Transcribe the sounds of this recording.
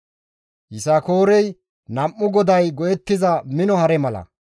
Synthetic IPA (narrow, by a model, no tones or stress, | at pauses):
hɪsɐko̞ːɾɛj | nɐmːʊɡɔd̪ɐjɡɔjɛt̪ːɪzɐmɪnɔhɐɾɛmɐlɐ̰